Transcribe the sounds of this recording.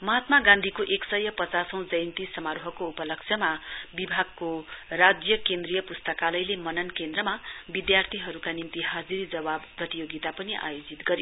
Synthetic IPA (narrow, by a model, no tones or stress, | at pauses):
mʌɦat̪maɡãnd̪ʱikoʔeksʌjʌpʌt͡sasʌw̃d͡zʌjnt̪isʌmaɾoɦʌkoupʌlʌksʰjʌmabibʱaɡ̚korad͡zjʌkend̪rijʌpust̪ʌkalʌjlemʌnʌnkend̪rʌmabid̪jart̪ʰiɦʌɾukanimt̪iɦad͡ziɾd͡zʌbabʌt̪ijoɡit̪apʌniʔa̰jod͡zit̪ɡʌɾi